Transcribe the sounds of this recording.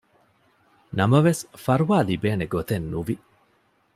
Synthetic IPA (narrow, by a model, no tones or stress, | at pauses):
nɐmɐʋesfɐɾuʋaːlibeːneɡot̪enːuʋi